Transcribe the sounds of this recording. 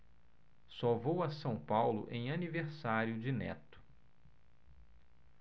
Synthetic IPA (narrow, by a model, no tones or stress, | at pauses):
sovowɐsɐ̃w̃pawlʊ̰ʔẽj̃ɐniveɾsaɾjʊd͡ʒɪnɛ̰t̪ʊ̥